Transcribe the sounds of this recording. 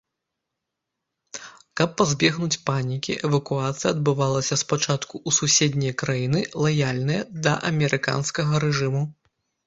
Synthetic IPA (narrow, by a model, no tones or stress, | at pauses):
kɐpːazʲbʲɛɣnut͡sʲpanʲikʲiʔɛvɐkuat̪sɨjɐːd̪bɨvalˠɐsʲɐspat͡ʂat̪kuʔːsusʲed̪ʲnʲɐjɐkɾajinɨlˠajalʲnɨjɐd̪ɐʔɐmʲɛɾɨka̰nskɐɣɐɾɛʐɨmu